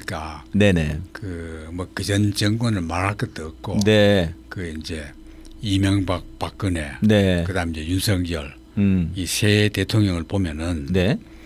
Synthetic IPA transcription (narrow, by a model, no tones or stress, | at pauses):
kanenḛkɯmʌkɯd͡ʑʌnt͡ɕɯŋɡʌnɯɭmaɾakɯt̪ɯk͈ːonekɯind͡ʑe | imjʌŋbak̚pakːɯnenekɯd̪aɯmd͡ʑejunsʰʌŋjɯɭ | isʰet̪etʰoŋɲʌŋɯɭpomjʌnɯnne